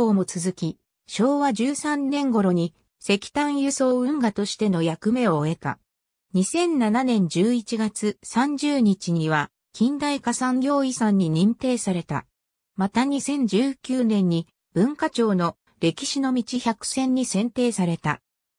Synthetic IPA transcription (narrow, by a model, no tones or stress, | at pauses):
oːmo̞t͡sɨzɨkʲi | ɕo̞ːβad͡ʑɨːsãnnẽ̞ŋɡo̞ɾo̞ɲ̟i | se̞kʲi̥t̪ãɰ̃jɯ̟so̞ːɯ̟̃ŋɡat̪o̞ɕi̥t̪e̞no̞jakɯ̟me̞o̞ːe̞t̪a̰ | ɲ̟isẽ̞nːananẽ̞ɲ̟d͡ʑɨːit͡ɕiɡat͡sɨsãɲ̟d͡ʑɨːɲ̟it͡ɕiɲ̟iβ̞a | kʲʰĩnd̪aikasãŋɡʲo̞ːisãɲ̟ːiɲ̟ĩnt̪e̞ːsaɾe̞t̪a̰ | mat̪aɲ̟isẽ̞ɲ̟d͡ʑɨːkʲɨːnẽ̞ɲ̟ːi | b̥ɯ̟̃ŋkat͡ɕo̞ːno̞ | ɾe̞kʲi̥ɕino̞mʲit͡ɕiçakɯ̟̥sẽ̞ɲ̟ːisẽ̞nt̪e̞ːsaɾe̞t̪a̰